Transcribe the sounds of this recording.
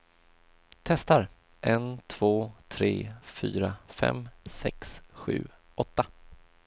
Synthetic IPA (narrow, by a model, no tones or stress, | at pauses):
t̪ʰɛst̪aɾ | ʔɛnt̪ʰv̥oːt̪ʰɾeːfyːɾafɛ̰msɛksɧʉ̟̰ː | ɔt̪ːa